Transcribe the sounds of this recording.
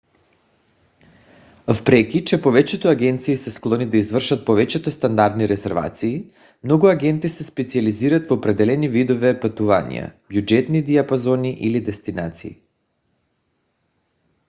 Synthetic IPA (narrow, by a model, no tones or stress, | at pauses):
fpɾɛkʲit͡ʃɛpovɛt͡ʃɛt̪oaɡɛnt̪siːsɛsklˠɔnid̪aizvr̩ʃat̪̚povɛt͡ʃɛt̪ost̪and̪aɾd̪niɾɛzɛɾva̰t̪siː | mnɔɡuaɡɛnt̪isɛspɛt̪sializiɾat̪vopɾɛd̪ɛlɛnivid̪ovɛpat̪uvanʲḭja̰bjud͡ʒɛt̪nid̪iapazɔniʔilid̪ɛst̪inat̪sḭː